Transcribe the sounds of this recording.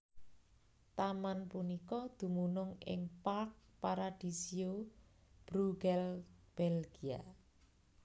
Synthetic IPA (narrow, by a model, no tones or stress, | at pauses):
t̪amanpunikɔd̪̥ṳmunʊŋɪ̰ŋpark̚paɾad̪̥i̤sio | b̥ɾuɡɛlb̥ɛlɡ̥ia̰